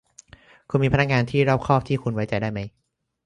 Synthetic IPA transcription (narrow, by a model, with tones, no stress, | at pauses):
kʰu˧nmiː˧pʰa˧na˥kŋaː˧nt̪ʰiː˥˩ɾa˥˩p̚kʰɔː˥˩p̚t̪ʰiː˥˩kʰu˧nwa˦˥jt͡ɕa˧jdaː˥˩jma˦˥j